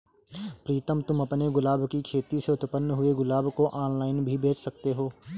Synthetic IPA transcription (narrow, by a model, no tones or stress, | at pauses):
pɾiːt̪əmt̪ʊmɐpneɡʊlaːbkikʰeːt̪iseʊt̪pənːəɦʊeɡʊlaːbkoʔaːnlaːɪnbʱibʱeːt͡ʃʰsɐk̚t̪eɦoː